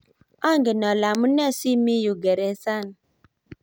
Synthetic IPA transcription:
ɔ˦ŋ˦ɡe˨nɔ˨la˨mu˦n˦e˦˨si˦mi˦ju˨ɡe˨ɾe˨˦sa˦˨n˨

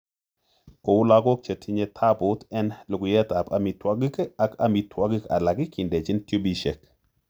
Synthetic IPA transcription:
ko˨wʊ˦la˦ɡɔ˦k̚t͡ʃɛ˨tʰi˦ɲɛ˨tʰa˦bʊ˨˦tɛ˦nlʊ˨ɡʊ˨jɛ˦t̪a˨pa˨mi˨twa˦ɡi˦ka˨ka˨mi˨tʰwa˦ɡə˦ka̰˨la˨ɡɪ˦kʰɪ˨ndɛ˨t͡ʃɪ˦ntjo˦bi˦ʃɛ˨k̚

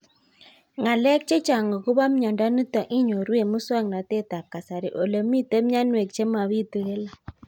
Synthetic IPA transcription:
ŋa˨lɛ˦k̚t͡ʃe˦t͡ʃa˨ŋɡɔ˨ku˦βa˦m˦ɲɔ˨nda˦nu˦tɔ˨ʔi˦ɲo˨ɾwe˨mu˦swa˦˨ŋna˨te˦ta˨ka˨sa˨ɾe˨ʔo˨lo˨mi˦te˦m˦ɲa˦nwe˨k̚t͡ʃe˦ma˨βi˦tu˨ɣe˦la˨

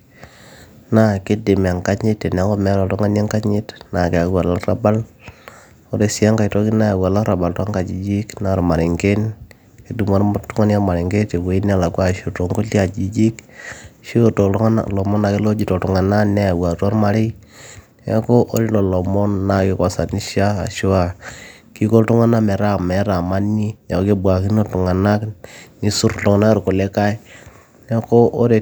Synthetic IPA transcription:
na˦kɪ˦dɪ˨m˨a˨ŋka˦ɲɪ˦te˨n˨a˦ŋkɔ˦mɛ˦lɔ˨tɔ˦ŋa˦nja˦ŋka˦ɲɪ˦tna˨ke˨a˨wa˨la˦ra˦ba˦l | o˦ɾe˨sa˦ŋka˨jto˦ki˦na˦ja˨wa˨la˦ɾa˨ba˨ltwa˦ŋka˨d͡ʒi˨d͡ʒi˦kna˨ɾma˨ɾɪ˨ŋɡe˦n | ki˦du˨ma˦ɾm˦tu˦ŋa˦na˦ma˨ɾɪ˨ŋɡe˦te˨we˨˦i˦n˦a˨la˨kwa˦ʃo˨to˨ŋko˦li˦a˨d͡ʒi˦d͡ʒi˦kʃo˦˨to˨lɔ˨mɔ˦na˨ke˦lo˦d͡ʒi˨to˨tu˨ŋa˨na˦nɛ˦˨wa˨tɔ˦ɾma˦ɾe˦ | ɛ̰˦ko˦ʔo˦ɾi˦lɔ˨lɔ˨mɔ˦nːa˦ke˨ka˨˦sa˨ni˦ʃa˦a̰˨ʃo˦a˨ | ki˦ko˦ltu˦ŋa˦na˦mɛ˨ɾa˦˨mɛ˨˦ɾa˨ma˦ni˦ja˨˦ke˦bwa˨ki˦no˦tu˨ŋa˨na˦kni˦su˦ɾtɔ˨ŋ˨na˦ɾko˨le˦ka˦j | nɛ˦ko˦ʔo˦ɾe˨

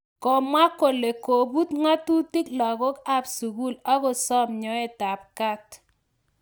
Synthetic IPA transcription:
kɔ˨mwa˦ko˨le˨ko˨bu˦tŋa˦tu˦ti˦klɔ˨ɣo˦ka˦˨psu˨ku˦˨la˦ko˦sɔ˦mɲɔ˨˦ɛ˦˨ta˨p̚ka˦t

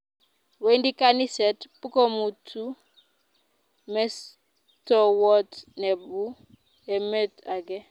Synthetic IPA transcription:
we˦ndi˦ka˦ni˦sɛ˨tpu˦ko˦mu˨tʰu˦ | mɛ˦s | tɔ˨wɔ˦tnɛ˨bu˦ | e˨me˦ta˨ɡɛ˦

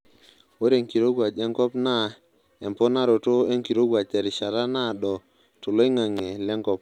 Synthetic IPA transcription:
wo˦ɾe˨ŋki˨ɾo˦ɡwa˨d͡ʒɛ˦ŋkɔ˦pna˦ | ɛ˨mpɔ˦na˦ɾo˨to˦e˦ŋki˨ɾo˦ɡwa˨t͡ʃɛ˨ɾɪ˨ʃa˨ɾa˦na˦˨dɔ˨ | to˨lo˦e˦ŋa˨ŋɛ˨lɛ˦ŋkɔ˦p̚

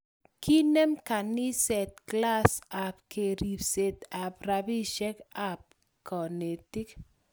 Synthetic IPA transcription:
kʰi˦nɛ˦mka˨ni˦sɛ˨t̪̚kla˦sa˨p̚kʰe˨ɾi˨pse˨t̪a˨pra˨bi˦ʃɛ˦ka˦p̚ | kɔ˨ne˨ti˦k

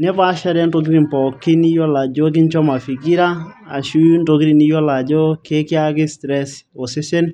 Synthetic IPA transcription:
nɛ˦pa˦ʃa˦ɾɛ˦ndo˨ki˦ɾi˨npɔ˨kːɪ˦ni˦jɔ˦la˨d͡ʒo˦k̬ɪ˦nt͡ʃɔ˦ma˨fi˨ki˦ɾa˦a̰˨ʃu˦ndo˨ɡi˦ɾi˨ni˦jɔ˦la˨d͡ʒo˦ke˦kɪ˦a˦kɪ˦stɾɛ˦so˨se˦se˦n

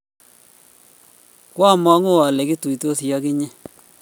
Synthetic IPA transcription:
kwa˦˨ma˦ŋo˦a˨lɛ˨kɪ˦tu˨i˨to˦sja˦kɪ˦ɲɪ˦

